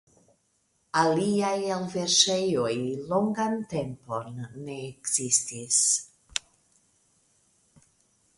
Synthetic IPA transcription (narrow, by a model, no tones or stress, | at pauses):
aliajalveɾʃejojlo̞ŋɡante̞mpo̞nːe̞ːkz̥istis